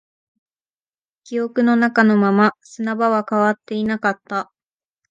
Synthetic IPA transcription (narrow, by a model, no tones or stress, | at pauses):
kʲio̞kɯ̟no̞nakano̞mamasɨnabaβakaβat̪ːe̞inakat̪ːa